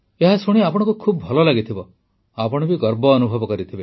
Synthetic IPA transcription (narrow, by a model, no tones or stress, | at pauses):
eɦasuɽ̃iapɔɽ̃ɔ̃ŋkukʰubɔbʱɔlɔlaɡit̪ʰibɔ | apɔɽ̃ɔbiɡɔɾbɔːnubʱɔbɔkɔɾit̪ʰibe